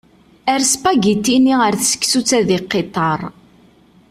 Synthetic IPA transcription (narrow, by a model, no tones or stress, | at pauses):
æɾspæɡit̪ːiniəɾθsə̥kːsut͡sːæðiqːet̪ˤːɑɾˤ